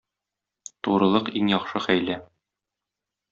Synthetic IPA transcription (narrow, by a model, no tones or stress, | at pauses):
t̪uɾɤ̆lˠɤqiŋjɒqʃɤχæjlæ